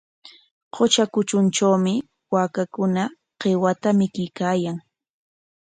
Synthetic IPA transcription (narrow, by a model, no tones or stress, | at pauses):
qʰot͡ʃakʊt͡ʃʊnt͡ʃawmɪ | waːkakʊna | qewat̪amɪkɪjkaːjaŋ